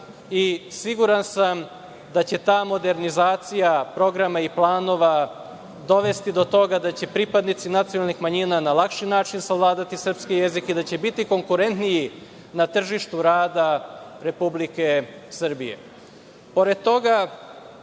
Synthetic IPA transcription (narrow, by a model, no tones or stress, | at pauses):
isiɡuɾansam | d̪at͡ɕe̞t̪aːmo̞d̪e̞ɾnizaːt̪sijapɾo̞ɡɾamaiplˠaːno̞ʋa | d̪o̞ʋe̞st̪id̪o̞t̪o̞ɡad̪at͡ɕe̞pɾipad̪nit̪sinat̪sionalnixmaɲinanalˠakʃimnaːt͡ʃimsaʋlˠaːd̪at̪isr̩pskije̞zikid̪at͡ɕe̞bit̪iko̞ŋkuɾe̞nt̪niji | nat̪r̩ʒiʃt̪uɾaːd̪aɾe̞publike̞sr̩bije̞̰ | po̞ɾed̪̚t̪o̞ɡa